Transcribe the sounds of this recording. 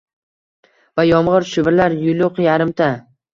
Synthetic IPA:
vajɒmʁɨɾʃʊbɾlaɾjʊlʊqjaɾɪmt̪ʰa

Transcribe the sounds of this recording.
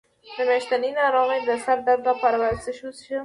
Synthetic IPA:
d̪əmeʃt̪aninaɾɑmed̪əsaɾd̪aɾd̪apaɾawalsəʃusʃə

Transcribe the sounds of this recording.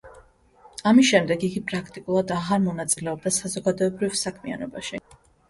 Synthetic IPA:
amisʃɛmd̪ɛɡiɡipʼɾakʰt̪ʼikʼulˠad̪aʁaɾmɔnat̪sʼilɛɔb̚d̪asazɔɡad̪ɔɛbɾivsakʰmia̰nɔbaʃi

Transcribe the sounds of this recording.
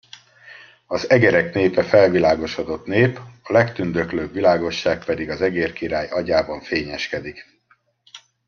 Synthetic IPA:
ɒzɛɡɛɾɛkneːpɛfɛlvilaːɡo̞ʃod̪o̞t̪neːpɒlɛkt̪ynd̪økløːbvilaːɡo̞ʃːaːk̚pɛd̪iɡɒzɛɡeːrkiɾaːjɒɟaːbɒɱfeːɲɛʃkɛd̪ik

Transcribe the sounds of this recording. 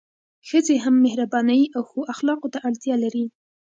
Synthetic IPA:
xəzeɦamːɪhɾabɑnəjawxoʔaxlɑqot̪aʔaɽt̪jɑlaɾi

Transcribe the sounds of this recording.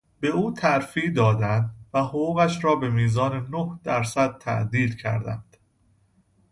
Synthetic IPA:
be̞uːt̪ʰæɾfiːd̪ɒːd̪ænd̪væhoɣuːɣæʃɾɒːbe̞miːzɒːnenohd̪̥æɾsæd̪̥̚t̪ʰæ̰ʔd̪iːlcʰæ̰ɾd̪æ̰nd̪̥

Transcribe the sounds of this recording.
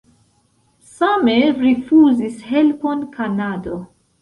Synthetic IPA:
sameɾifuzishe̞lponkʰanado

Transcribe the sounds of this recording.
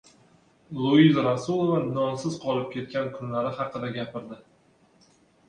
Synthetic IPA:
lˠoizɾasulˠovaɒnsɪz̥qʰɒlˠɪp̚kʲʰe̞t̪̚kʲankʰʊnlaɾɪhɑqɨd̪aɡʲapʰɪɾd̪ɪ

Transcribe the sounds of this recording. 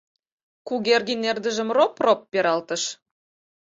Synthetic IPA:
kuɣerɣinerd̪əʒə̆mropropːeɾɑlt̪ə̆ʃ

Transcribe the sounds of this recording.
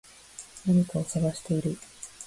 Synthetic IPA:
naɲ̟ikao̞saɡaɕi̥t̪e̞iɾɯ̟

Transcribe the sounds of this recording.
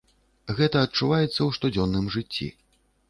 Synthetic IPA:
ɣɛt̪ɐːt̪̚t͡ʂuvajɛt̪sːɐwʂt̪ud͡zʲɔnːɨmʐɨt͡sʲːḭ

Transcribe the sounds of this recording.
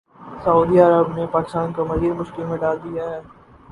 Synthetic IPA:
sɐuːd̪iɐɾəbnepaːkɪ̥st̪aːnkomɐziːɾmʊʃkɪlmẽɖaːld̪ijaɦɛː

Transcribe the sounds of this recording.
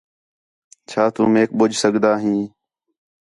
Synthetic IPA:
t͡ʃʰaːt̪uːmeːk̚ɓʊd͡ʒʱsəɡd̪aːɦĩː

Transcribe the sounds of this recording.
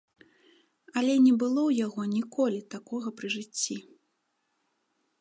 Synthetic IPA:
ɐlʲɛnʲɛbɨlˠɔwjaɣɔnʲikɔlʲit̪akɔɣɐpɾɨʐɨt͡sʲːi

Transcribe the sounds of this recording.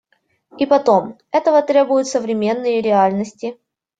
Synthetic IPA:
ipɐt̪o̞m | ɛt̪əvət̪ɾʲe̞bʊjʊt̪səvɾʲɪmʲe̞nːɨjəɾʲɪalʲnəsʲtʲɪ

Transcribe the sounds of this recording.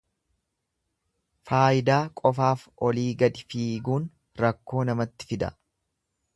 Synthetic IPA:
faːjɪd̪aːkʼɔfaːfʔɔliːɡɐd̪ɪfiːɡuːn | ɾɐkːo̞ːnɐmɐt̪ːɪ̥fɪd̪ɐ̰

